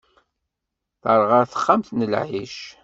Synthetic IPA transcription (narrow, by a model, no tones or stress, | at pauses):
θəɾˤʁəɾθə̥χːamθnəlʕiʃ